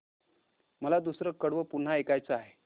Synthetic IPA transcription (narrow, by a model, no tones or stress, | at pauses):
məlad̪usɾəkəɽʋəpuɳ̤ːaekajt͡səaɦe